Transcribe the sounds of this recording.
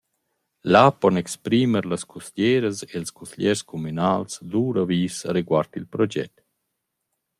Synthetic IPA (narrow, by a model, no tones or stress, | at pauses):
lapɔnɛkspɾiməɾlaskʰuslɛɾəselskuslɛɾskɔmynaːlsd̪uːɾaviːsaɾeɡwaɾt̪ilpɾɔd͡ʒɛ̰t